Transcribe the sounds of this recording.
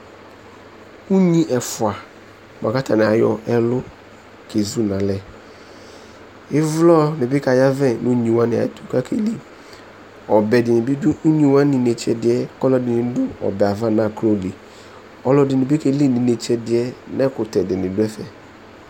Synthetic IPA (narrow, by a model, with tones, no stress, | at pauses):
u˦ɲĩ˦ʔɛ˨fʊ˨a˨ | m˨a˨ka˦tʰa˨nɪ˨a˨jɔ̰˦ʔɛ˦lʊ˦ | kʰe˨zu˦nã˨lɛ˨ | ɪ˦vlɔ˦nɪ˨bɪ˦ka˨ja˦vɛ˦nũ˦ɲĩ˨wã˦nɪ˨a̰˨tu̥˨ka˦kʰe˨li˦ | ɔ˨bɛ˨dɪ˨nɪ˨bɪ˦dʊ˦u˦ɲi˨wa˦nɪ˨ne˨t͡ʃɛ˨dɪ˨ɛ˦kɔ˦lɔ˦dɪ˨nɪ˨˦dʊ˦ɔ̰˨bɛ˨a˨va˦˨na˦˨kɾo˦li˨ | ɔ˦lɔ˨˦dɪ˨nɪ˨bɪ˦ke˨li˦˨nɪ˨ne˨t͡ʃɛ˨dɪ˨ɛ˦nɛ˦kʊ˨tɛ˨dɪ˨nɪ˨dʊ˦ɛ˦fɛ˨